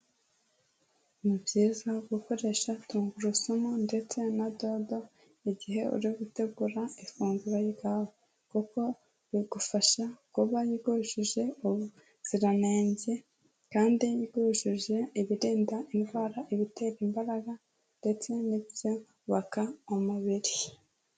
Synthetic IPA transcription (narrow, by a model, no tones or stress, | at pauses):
mubɟiːzaɡuko̞ɾe̞ʃatuːŋɡuɾusumunde̞t͡se̞nadodo | iɟiɦe̞ṵɾiɡute̞ɡuɾaifuːŋɡuɾajiɡawo | kuko̞ | βiɡ̥ufaʃakuβajiɡoʃiʒe̞uβu | z̥iɾaneːɲɟe | kaːndijiɡoʃiʒe̞iβiɾiːndainɡwaːɾaʔiβite̞ːɾimbaɾaɡa | nde̞t͡se̞nibjo̞ | βakaomuβiɾi